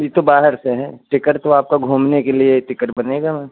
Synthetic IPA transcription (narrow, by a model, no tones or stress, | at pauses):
bʱit̪obaːɦəɾseɦɛ̃ːʈɪkəɾt̪oaːp̚kaɡʱuːmnekelieʈɪkəʈbɐneːɡamɛ̃ː